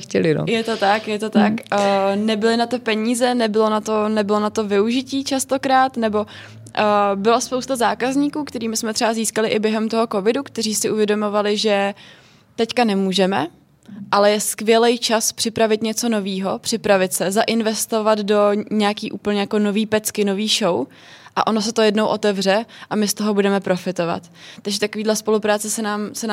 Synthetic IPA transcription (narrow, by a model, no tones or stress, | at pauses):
cɛlɪno̰jɛt̪o̞t̪akjɛt̪o̞t̪akːnɛbɪlɪnat̪ɛpɛɲiːzɛnɛbɪlo̞nat̪onɛbɪlo̞nat̪o̞vɪuʒɪciːt͡ʃast̪o̞kɾaːt̪nɛbo̞ | əbɪlaspowst̪azaːkazɲiːkuːkt̪ɛɾiːmɪsmɛt̪r̥ɛbaziːskalɪʔɪbjɛɦɛmt̪o̞ɦo̞ko̞vɪdukt̪ɛriːsɪʔuvjɛdomo̞valɪʒɛ | t̪ɛckanɛmuːʒɛmɛ | ʔalɛjɛskvɪjɛlɛjt͡ʃaspr̥ɪpɾavɪt̪ɲɛt͡so̞no̞viːɦo̞pr̝̥ɪpɾavɪt̪sɛzaʔɪnvɛst̪o̞vad̪do̞ɲɛjakiːʔuːpl̩ɲɛjako̞no̞viːpɛt͡skɪno̞viːʃow | ʔa̰ʔo̞no̞s̬ɛt̪o̞jɛdnowʔo̞t̪ɛvr̝ɛʔamɪst̪o̞ɦo̞budɛmɛpɾo̞fɪt̪o̞va̰t̪ː | aɡʒɛt̪akoviːdlɛspo̞lupɾaːt͡sɛsɛnaːmsɛna